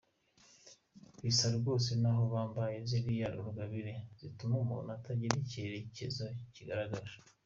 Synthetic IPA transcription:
βisaɾbɡo̞ːsenaɦo̞βaːmbajeziβijaɾuɾuɡaβiɾez̥itumomṵnataɟiɾiceɾecezociɡaɾaɡaɾa

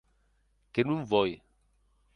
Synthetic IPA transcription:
kenũm̩vɔje

